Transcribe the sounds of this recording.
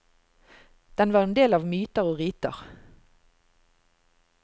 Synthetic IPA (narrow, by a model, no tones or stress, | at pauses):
d̪̥ɛnʋɑːʁeːnd̪eːlɑːʋmyːt̪əʁoːʁiːt̪ə̰ʁ